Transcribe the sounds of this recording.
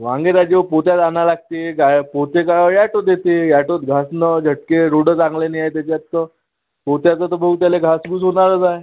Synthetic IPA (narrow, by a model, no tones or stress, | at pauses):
ʋãŋɡeɾad͡ʑepot̪jat̪analaɡ̚t̪eɡapot̪ekaɭjaʈot̪̚jet̪ejaʈot̪ɡʱasnəd͡ʑʱəʈkeɾoɽət͡saŋɡlenəjaet̪̬jat͡ɕjat̪ːə | pot̪jat͡sət̪əbəɡut̪jaleɡʱasɡuːsɦonaɾəd͡zae